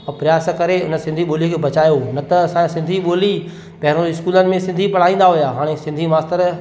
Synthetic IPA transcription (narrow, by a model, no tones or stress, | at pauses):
ɔpɾɪjaːsəkɐɾeʊnəsɪ̃nd̪ʱiɓoːlikʰeːbɐt͡ɕaːjonɐt̪ɐɐsãsɪ̃nd̪ʱiɓoːli | pɐɦɪɾ̃õɪskuːlənɪ̆mẽsɪ̃nd̪ʱipɐɽ̤aːĩːn̆d̪aɦʊjaːɦaːɽ̃esɪ̃nd̪ʱimaːst̪əɾ